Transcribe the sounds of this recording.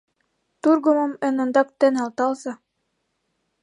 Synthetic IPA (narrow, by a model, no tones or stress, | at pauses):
t̪uɾɡomomɘ̆nɤ̆nd̪ɑk̚t̪ɘnɑlˠt̪ɑlˠzɑ